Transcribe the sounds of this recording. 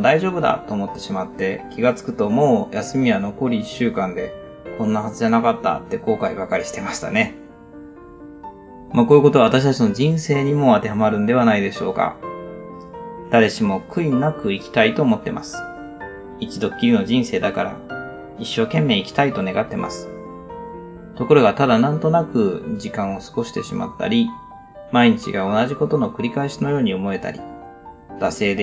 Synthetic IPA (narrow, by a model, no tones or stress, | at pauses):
d̪aiʑo̞ːbɯ̟d̪a̰t̪ːo̞ːmo̞t̪ːe̞ɕimat̪ːe̞kʲiɡat͡sɨ̥kɯ̟̥t̪o̞mo̞ːjasɨmʲiβano̞ko̞ɾʲiːɕːɨːkãnd̪e̞ | kõ̞nːahazɨʑanakat̪ːa̰t̪ːe̞ko̞ːkaibakaɾʲiɕi̥t̪e̞maɕi̥t̪a̰ne̞ | maːkoːjɯ̟ko̞t̪o̞aβat̪aɕi̥t̪at͡ɕino̞d͡ʑĩɰ̃se̞ːɲ̟imo̞at̪e̞ɦamaɾɯ̟̃nd̪e̞β̞anaid̪e̞ɕo̞ːka̰ | d̪̥aɾe̞ɕimo̞kɯ̟inakɯ̟ikʲi̥t̪ait̪o̞ːmo̞t̪ːe̞mʔa̰sɨ̥ | it͡ɕid̪o̞kʲːiɾʲino̞d͡ʑĩɰ̃se̞ːd̪akaɾa̰ | iɕːo̞ːkẽ̞mːe̞ːikʲt̪ait̪o̞ne̞ɡat̪ːe̞ma̰sɨ̥ | t̪o̞ko̞ɾo̞ɡat̪ad̪anãnt̪o̞nakɯ̟d͡ʑikãɰ̃o̞sɨ̥ko̞ɕi̥t̪e̞ɕima̰t̪ːa̰ɾʲi | maiɲ̟it͡ɕḭɡao̞naʑiko̞t̪o̞no̞kɯ̟ɾʲikaeɕino̞jo̞ːɲ̟iomo̞e̞t̪a̰ɾʲḭ | d̪̥ase̞ːd̪e